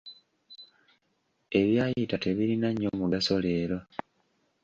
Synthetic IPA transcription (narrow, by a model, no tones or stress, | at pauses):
e̞βjaːjitate̞βiɾinaɲːomuɡaso̞leːɾo̞